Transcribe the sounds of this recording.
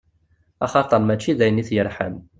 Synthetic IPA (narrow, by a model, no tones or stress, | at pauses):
ɑ̰χɑt̪ˤɑmːæt͡ʃːiðæjəniθjəɾħə̰m